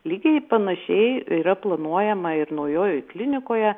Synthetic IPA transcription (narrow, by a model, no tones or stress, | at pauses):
lʲiːɡʲɛɪpɐnɐʃʲɛɪiːɾɐplˠɐnuɔjɛmɐɪɾnɐʊjoːjoɪklʲɪnʲɪkoːjɛ